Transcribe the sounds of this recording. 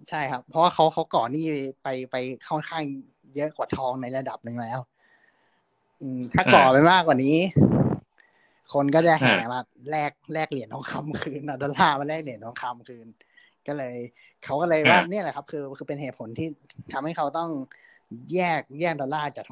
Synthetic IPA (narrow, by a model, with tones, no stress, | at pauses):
t͡ɕʰa˥˩jkʰa˦˥pʰːɔ˧waː˥˩kʰa˦˥wkʰa˦˥wkɔː˨˩niː˥˩pa˧jpa˧jkʰɔ˥˩˨nkʰaː˥˩ŋ | jɤ˦˥ʔkwaː˨˩t̪ʰɔː˧ŋna˧jla˧da˨˩p̚nɯ˨˩ŋlɛː˦˥w | ʔɯː˧˩mt̪ʰaː˥˩kɔː˨˩pa˧jmaː˥˩k̚waː˨˩niː˦˥ | kʰo˧nkɔː˥˩t͡ɕa˨˩ɦa̰ː˨˦˩maː˧ | lɛː˥˩k̚lɛː˥˩k̚li˨˩˦ənt̪ʰɔː˧˦ŋkʰa˧mkʰɯː˧na˧˩dɔː˧laː˥˩maː˧˦lɛː˥˩k̚li˨˩˦nt̪ʰɔː˧˦ŋkʰa˧mkʰɯː˧n | kɔː˥˩lɤː˧j | kʰa˦˥wkɔ˥˩lɤː˧jwaː˥˩ni˥˩˨la˨˩kʰa˦˥p̚kʰɯː˧kʰɯː˧pe˧nɦeː˨˩t̪pʰo˩˦nt̪ʰiː˥˩t̪ʰa˧mha˥˩jkʰa˦˥wt̪ɔ˥˩ŋ | jɛː˥˩k̚jɛː˥˩k̚dɔː˧laː˥˩t͡ɕaː˨˩k̚